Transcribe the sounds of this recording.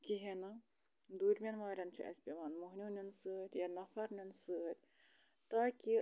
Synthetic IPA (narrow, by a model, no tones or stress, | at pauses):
kiɦenɐ | d̪uːɾʲmʲɐnʋaːɾʲɐnt͡ʃʰḭʔɐ̰sbʲimɐnmuɦnʲunʲunsɨt̪ʲjɐnɐfɐɾnʲunsɨɐt̪ʲ | t̪aːkʲi